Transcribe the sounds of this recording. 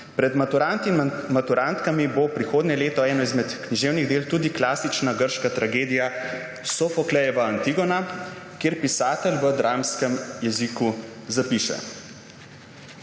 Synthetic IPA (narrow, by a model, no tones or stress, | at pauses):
pɾɛd̪mauɾant̪imat̪uɾant̪kamibopɾixoːd̪nɛleːt̪ɔɛːnɔizmɛt̪kniʒeːwniɣd̪eːlt̪uːd̪iklaːsit͡ʃnaɡəɾʃkat̪ɾaɡeːd̪ija | sɔfɔklɛjɛʋaant̪iɡɔnakjeːɾpisaːt̪əlʋəd̪ɾaːmskəmjɛzikuzapiːʃɛ̰